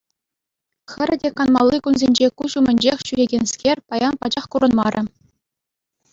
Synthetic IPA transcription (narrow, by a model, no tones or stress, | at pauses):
xʲɘ̆ɾʲɘ̆dʲekɑnmɑ̰lˠːɯkunzʲenʲd͡ʑekuɕumʲɘ̆nʲd͡ʑexʲɕyɾʲeɡʲenʲskʲerʲpɑjɑnpɑd͡ʑɑχkuɾɤ̆nmɑɾʲʔɘ̆